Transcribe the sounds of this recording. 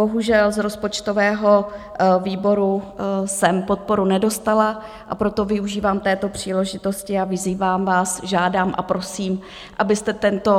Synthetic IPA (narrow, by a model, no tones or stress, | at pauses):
bo̞ɦuʒɛlzɾo̞spo̞t͡ʃt̪ovɛːɦo̞viːbo̞ɾusɛmpo̞t̪̚po̞ɾunɛdo̞st̪ala | ʔapɾo̞t̪o̞vɪuʒiːvaːmt̪ɛːt̪o̞pr̝̥iːlɛʒɪt̪o̞scɪavɪziːvaːmvaːsʒaːdaːmʔa̰pɾo̞siːm | ʔabɪst̪ɛt̪ɛnt̪o̞